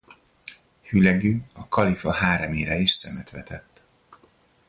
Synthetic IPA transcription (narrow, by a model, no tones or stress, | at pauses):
hylɛɡøːɒkɒlifɒɦaːɾɛmeːɾɛiʃsɛmɛt̪ʋɛt̪ʰɛt̪ː